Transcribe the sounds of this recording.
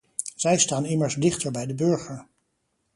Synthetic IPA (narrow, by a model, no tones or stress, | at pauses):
z̥ɛjstaːnɪməɹzdɪχtəɹbɛjdəbɵɹχəɹ